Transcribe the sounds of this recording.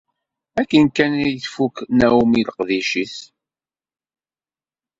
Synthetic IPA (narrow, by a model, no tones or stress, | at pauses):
ækːənkːænijθfuknæwumiləqðiʃiθ